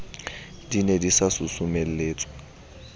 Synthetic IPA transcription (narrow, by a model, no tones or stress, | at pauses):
dinedisasʊsʊmel̩leːt͡sʼwa